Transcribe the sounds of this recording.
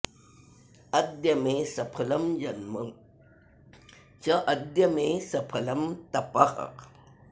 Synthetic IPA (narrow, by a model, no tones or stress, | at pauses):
ɐd̪jɐmesɐpʰɐlɐmd͡ʒɐnmɐŋ | t͡ʃɐʔɐd̪jɐmesɐpʰɐlɐmt̪ɐpɐqɐ̰q